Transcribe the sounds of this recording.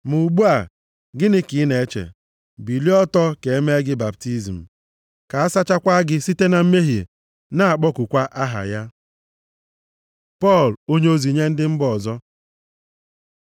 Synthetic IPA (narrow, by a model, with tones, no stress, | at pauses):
mu˨ɡ͡bu˦a˨ | ɡɪ˦nɪ˦kɪ˨˦ne˨˦t͡ʃḛ˨ | bi˨li˦ɔ˦tɔ˦ke˨e˦me˦ɡɪ˦ba˨p̚ti˦zi˨m̩˨ | ka˨a˦sa˦t͡ʃa˦kʷa˦ɡɪ˦si˦te˦na˨m̩˦me˦ɦi˨ | na˦a˨k͡pɔ˦kʊ˨kʷa˦ʔa˦ɦa̰˨ja˦ | pɔ˦˨lo˦ɲe˦o˦zi˨ɲe˦n̩˦dɪ˦m̩˦bɔ˨zɔ˦